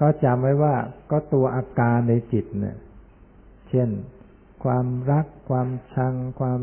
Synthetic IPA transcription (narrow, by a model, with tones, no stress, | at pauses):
kɔː˥˩t͡ɕa˧mːa˦˥˩jwaː˥˩kɔː˥˩t̪u˧ɐʔaː˧kaː˧nːa˧jt͡ɕi˨˩t̪̚ni˦˩ɐ | t͡ɕʰe˥˩n | kʰwaː˧mɾa˦˥kʰːwaː˧mt͡ɕʰa˧ŋkʰwaː˧m